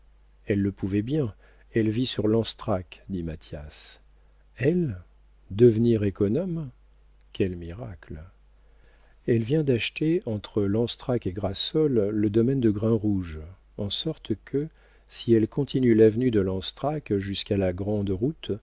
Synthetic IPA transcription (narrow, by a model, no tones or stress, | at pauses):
ɛlːəpuvɛbjɛ̃ | ɛlvisyʁlɑ̃st̪χakd̪imat̪jas | ɛl | d̪əvniʁekɔnɔm | kʲʰɛlmiʁakl | ɛlvjɛ̃d̪aʃt̪eɑ̃t̪χəlɑ̃st̪χakeɡʁasɔlːəd̪ɔmɛnd̪əɡʁɛ̃ʁuʒ | ɑ̃sɔʁt̪kʰə | siɛlkɔ̃t̪ʰinylavnyd̪əlɑ̃st̪χakʒyskalaɡʁɑ̃d̪ʁut̪